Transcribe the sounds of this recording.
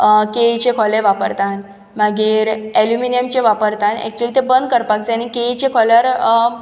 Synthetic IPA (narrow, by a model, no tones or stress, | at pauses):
ket͡ɕekʰɔleʋapəɾt̪an | maɡiːɾeljuminijəmt͡ɕeʋapəɾt̪anɛ̰k̚t͡ɕuəlit̪ebənd̪kəɾpak̚d͡zeanikeit͡ɕekʰɔlaɾ